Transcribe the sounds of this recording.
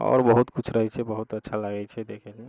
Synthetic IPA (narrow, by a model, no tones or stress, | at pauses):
ɔ̰ːɾbəɦut̪kʊt͡ʃʰɾəɦit͡ʃʰɛbəɦut̪ətːʃʰaləɡɛt͡ʃʰɛd̪ekʰɛlie